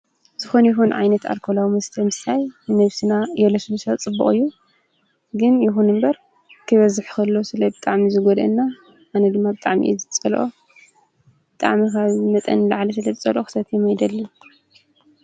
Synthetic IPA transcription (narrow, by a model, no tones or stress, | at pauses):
zɨxo̞njɪɦunʕa̰jnɐt̪a̰lkʰolawimɐst̪ʰɐmɨsajnɨnɐβsɨnajɛlosɨlɨsat͡sʼɨbːṵχʼɨjːu | ɡɨnjɪxunɨmbɐɾ | kʰɨβɐzɨħkʰɐlːosɨlɐjbɨt̪ʼaʕmizɨɡod̪ɨnːaː | nɐd̪ɨmːabɨt̪ʼaʕmḭʔɛ̰zɨt͡sʼɐlʔo | b̥ɨt̪ʼa̰ʕmikazɨmɐt̪ʼɐ̰nlaʕlɐs̬ɨlɐt͡sʼɐlʔoxɨ̥sɐt̪jɛmɐjd̪ɐlːɐ